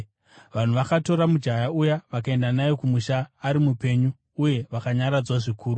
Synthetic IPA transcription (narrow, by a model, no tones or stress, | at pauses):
ʋan̤uʋakato̞ɾamud͡ʒajaujaʋakae̞ndanajokumuʃaːɾimupe̞ɲuː | je̞ʋakaɲaɾad͡zwaʐikʰuːɾu